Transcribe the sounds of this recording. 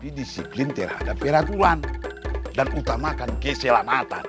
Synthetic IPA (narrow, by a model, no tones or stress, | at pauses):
didisiplint̪ɛrha̰dapːɛɾat̪ulan | danut̪amakankɛsɛlamat̪a̰n